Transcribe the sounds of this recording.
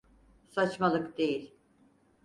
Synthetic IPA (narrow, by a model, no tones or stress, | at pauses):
sat͡ʃmalˠɯkd̪̥e̞jilʲ